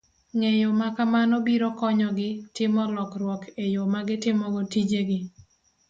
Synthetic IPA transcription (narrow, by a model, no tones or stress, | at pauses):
ŋejomakamanɔbiɾɔkɔɲɔɡɪtɪmɔlɔkrwɔkʰejomaɡɪtɪmɔɡotid͡ʒeɡɪ